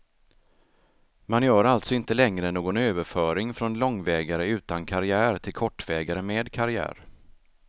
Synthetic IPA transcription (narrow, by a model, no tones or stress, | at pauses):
manjœːɾalt̪sɔɪnt̪əlɛŋɾənoːɡɔnøːvəɾfœːɾɪŋfɾɔnlɔŋːvɛːɡaɾəʉ̟ːt̪ankʰaɾɪæːɾt̪ʰɪlkʰɔʈːvɛːɡaɾəmeːd̪kʰaɾɪæ̰ːɾ